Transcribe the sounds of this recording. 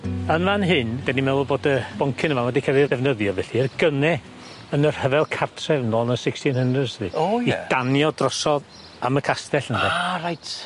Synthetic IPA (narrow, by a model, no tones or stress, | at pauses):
ənanɦɨnd̥animɛɔboːdəb̥ɔŋkʰɪnəmanwɛdikʰəɾidɛvnəðjɔvɛɬiərɡənɛ | ənər̥həvɛlˠkʰartʰrɛvnɔnəsɪkstinhənrədsðiojid̥anjɔdrɔsɔð | aməkʰastɛɬənɛɾajtʰ